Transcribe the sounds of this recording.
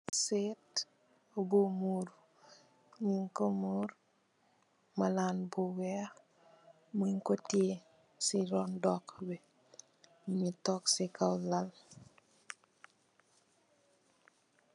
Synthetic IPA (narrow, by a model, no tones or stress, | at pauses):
set | obumuɾ | ɲiŋkomuːɾ | malanbuwɛ | muŋkotie | siɾɔndɔkbɛ | mitɔksikawlal